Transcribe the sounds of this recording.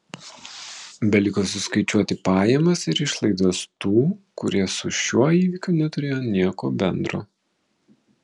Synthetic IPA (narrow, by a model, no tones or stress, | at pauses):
bʲɛlʲɪkoːsʊskɐɪt͡ʃʲuɔt̪ʲɪpɑːjɛmɐsɪɾɪʃlˠɐɪd̪oːst̪uːkʊɾʲiɛsʊʃʲuɔiːʋʲɪkʲʊnʲɛt̪ʊɾʲeːjoːnʲiɛko̰ːbʲɛnd̪ɾo̰ː